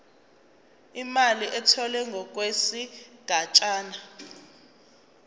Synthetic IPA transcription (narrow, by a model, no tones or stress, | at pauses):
imaliʔɛtʰɔlɛŋɡʱɔk̬ʼwesiɡ̥ʱat͡ʃʼaːna